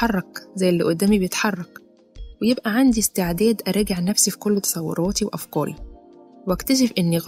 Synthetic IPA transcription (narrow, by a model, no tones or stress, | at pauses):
ɑrˤːɑkzæjːelːiʔod̪ːæːmibejet̪ħɑrˤːɑk | wejebʔæʕand̪ist̪eʕd̪æːd̪ʔæɾˤɑːɡeʕnæfsifi̥kolːot̪ɑ̥sˤɑwːɑ̰ɾˤɑːt̪iwʔɑfkɑːɾḭ | wækt̪æʃ̬efʔenːiɣ